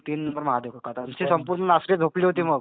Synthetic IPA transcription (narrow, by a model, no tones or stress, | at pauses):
t̪iːnːəmbəɾməɦad̪jokəkat̪ːnsiːsəmpuɾnənasked͡z̪ʱokliːɦot̪̬iːməɡ